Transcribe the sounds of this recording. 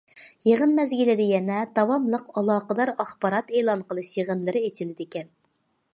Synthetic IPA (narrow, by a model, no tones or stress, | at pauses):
jeʁənmɛzɡʲilɪd̪ɪjɛnɛd̪̥ɑwɑmlˠəqɑlˠɑːqəd̪ɑɾɑχbɑɾɑt̪eːlˠɑnqəlˠɨʃjeʁənlˠɨɾɨet͡ʃʰɪlɪd̪ɪkʲɛn